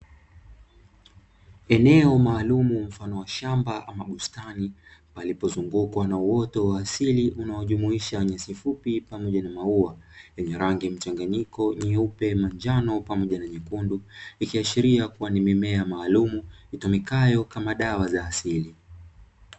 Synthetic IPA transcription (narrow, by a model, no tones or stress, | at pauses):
ɛnɛɔmaːlumum̩fanɔwaʃambaʔamaɠustanipalipɔzuŋɡukwanauwɔtɔwaːsiliʔunaɔʄumuiʃaɲasifupipamɔʄanamauajɛɲɛɾaŋɡim̩t͡ʃaŋɡaɲikɔɲiupɛmand͡ʒanɔpamɔʄanaɲikunduikiaʃiɾiakuwanimimɛamaːlumuitɔmikajɔkamaɗawazaːsili